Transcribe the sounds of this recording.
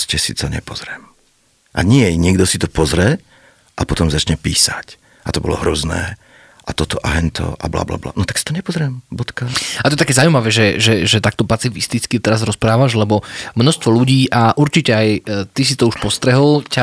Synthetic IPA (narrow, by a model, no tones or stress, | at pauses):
scɛsit̪ɔɲɛ̰pɔzɾɛm | ʔa̰ɲɪɛɲɪɛɡd̪ɔsit̪ɔpɔzɾɛ | ʔapɔt̪ɔmzat͡ʃɲɛpḭːsac | at̪ɔbɔ̰lɔ̰ɦɾɔznɛ̰ː | ʔat̪ɔt̪ɔʔa̰ɦɛnt̪ʰɔ̰ʔa̰bla̰bla̰bla̰ːnɔt̪ḁksi̥t̪ɔɲɛpɔzɾɛmbɔt̪kaat̪ɔɛt̪akɛːzawumaʋɛːʒɛʒɛʒɛt̪ak̚t̪ɔpat͡sifist̪it͡skit̪ɛɾazɾɔspɾaːʋaʒlɛbɔmnɔst̪ʋɔluɟiːʔaʔuɾt͡ʃicɛajt̪is̬it̪ɔuʃpɔst̪ɾɛɦɔlˠca